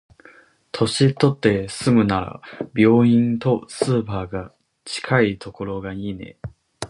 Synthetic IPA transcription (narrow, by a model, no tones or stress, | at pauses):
t̪ʰo̞ɕit̪ːo̞t̪ːe̞sɨmɯ̟naɾa̰bʲo̞ːĩnt̪o̞sɨːpaːɡa | t͡ɕi̥kʰait̪ʰo̞ko̞ɾo̞ɡaɲʲine̞̰